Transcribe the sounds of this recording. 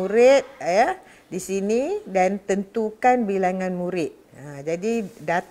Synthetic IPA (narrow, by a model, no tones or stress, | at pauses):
uɾɪt̪̚ja | disinidant̪ənt̪ukanbilaŋãnmũɾɪt̪̚əd͡ʒadidat̪